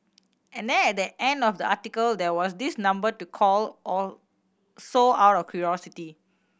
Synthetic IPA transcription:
ʔɛ̃ndɛ̃nɛt̚dəʔɛ̃ndɔfdəʔatikəldɛwɔsdisnãmbətukʰɔlʔɔ | soawtɔfkʰjuɹɔsiti

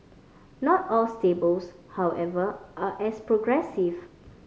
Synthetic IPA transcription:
nɔtɔlstebəlshawʔɛvəʔaʔɛspɹoɡɹɛsiv

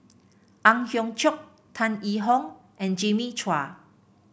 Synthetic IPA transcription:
ʔãŋhjɔ̃ŋt͡ʃʰjɔk̚ | t̪ʰãniɦɔ̃ŋʔɛ̃nd͡ʒĩmit͡ʃʰwa

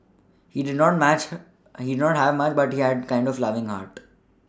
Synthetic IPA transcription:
hiːɖɪɖnɔːʈ̚mæt͡ʃ | hiːɖɪɖnɔːʈɦæʋmʌt͡ʃbʌʈhiːæɖ̚kãɪ̃ɳɖɔflʌʋɪ̃ŋɦa̰ːɾʈ

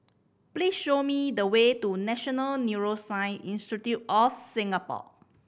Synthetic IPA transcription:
pliːsʃomidəwetunɛʃɔnəlnjuɹosãɪ̃nĩnstɹitit̚ɔfsĩŋapɔ̰

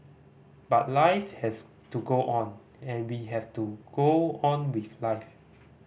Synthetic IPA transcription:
bat̚laɪfhɛs | tuɡoʔɔ̃n | ɛ̃nwiɦɛftuɡ̥oɔ̃nwiθlaɪf

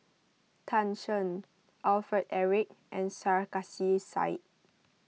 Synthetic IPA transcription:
tʰãnʃɔ̃n | ʔalfətɛɹik̚ʔɛ̃nsaɹkasisa̰ɪt̚

